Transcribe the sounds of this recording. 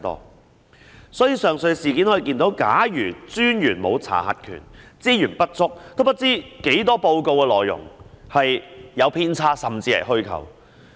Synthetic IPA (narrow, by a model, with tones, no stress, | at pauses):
t̪ɔ̰ː˥ | sɔː˨˥jiː˨˧sœː˨ŋsɵ˧ɥsiː˨kiː˨˥nhɔ˨˥i˨kiː˧nt̪o˨˥wkaː˨˥jyː˨˩t͡syː˥njyː˨˩nmo˨˧wt͡sʰa̰ː˨˩hɐ̰˨˩t̚kʰy̰ː˨˩nt͡siː˥jyː˨˩npɐ˥t̚t͡sʊ˥k̚t̪wpɐ˥t̚t͡siː˥ke˨˥jt̪ɔː˥po˧wko˧wkɛː˧lɔː˨jːʊ̰˨˩ŋhɐ˨jjɐ˨˧wpʰiː˥nt͡sʰaː˥sɐ˨mt͡siː˧lɐ̰˨˩ɦɵ˥ɥkʰɐ̰˨˩w